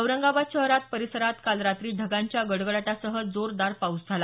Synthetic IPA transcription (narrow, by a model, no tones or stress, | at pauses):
əʋɾəŋɡaʋaɕəɦɾat̪̚pəɾisəɾat̪kalɾat̪ɾiːɖʱəɡaɲt͡ɕjaɡəɽɡəɭaʈasəɦəd͡zoɾd̪aɾpawsd͡zʱala